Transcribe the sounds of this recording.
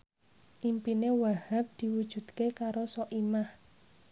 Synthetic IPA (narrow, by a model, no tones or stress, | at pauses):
ʔimpinewahap̚d̪̥i̤wud̥ʒ̥ṳd̪̥kekaɾosɔʔimah